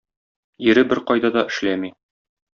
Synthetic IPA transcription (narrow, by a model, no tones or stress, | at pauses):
jɘ̆ɾɘbɘɾqɒjd̪ɑd̪ɒʔɘ̆ʃlæmi